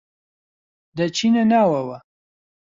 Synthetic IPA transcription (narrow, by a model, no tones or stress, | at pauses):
d̪ət͡ʃʰinenawawa